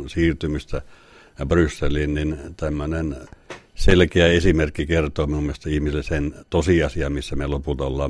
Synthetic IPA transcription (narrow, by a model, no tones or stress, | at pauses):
siːrt̪ymist̪æ | brysːeliːnnint̪æmːønenselkeæesimerkːikert̪oːminumːiest̪ɑihmiselːesent̪osiɑsiɑmisːæmelopult̪ɑolːɑː